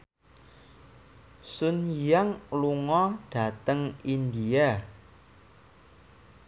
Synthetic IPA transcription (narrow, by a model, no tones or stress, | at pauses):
sunjaŋluŋɔɖ̥ä̤t̪əŋind̪ia